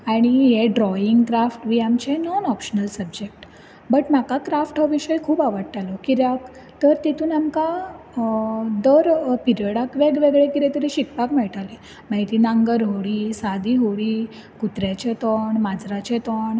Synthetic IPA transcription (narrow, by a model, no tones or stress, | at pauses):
aɽ̃iɦeɖɾɔjiŋɡkɾafʈʋiːamt͡ɕenɔnɔpɕənəlsəbd͡ʑek̚ʈ | bəʈm̤akakɾafʈɦəʋiɕəjkʰuːbaʋəɽt̪alɔkiɾjak | t̪əɾt̪it̪uːnamka | d̪əɾpiɾiəɽakʋeɡʋeɡɭekiɾet̪əɾiɕikpakmɛɭʈ̪ale | maɦit̪iːnãŋɡəɾɦoɽiːsad̪iːɦoɭiː | kut̪ɾjat͡ɕet̪ɔɳmad͡zɾat͡ɕet̪ɔɳ